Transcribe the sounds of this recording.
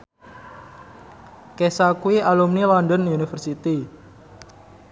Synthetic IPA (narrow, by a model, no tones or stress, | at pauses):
kesakuiʔalumnilɔndənjunifərsit̪i